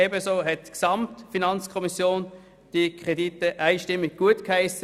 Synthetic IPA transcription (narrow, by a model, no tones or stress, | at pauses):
ɛbəsoːɦɛtːksɑmtfinɑnt͡skʰɔmisjoːn | d̥ikʰʁ̥editəʔaɪʃtɪmːɪɡ̚ɡ̥uətkhaɪsə